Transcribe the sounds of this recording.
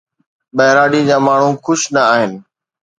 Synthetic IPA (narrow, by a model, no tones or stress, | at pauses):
ɓɐɦɪɾaːɖĩːd͡ʑaːmaːɳ̤ũkʰʊʃnəaːɦɪnɪ̆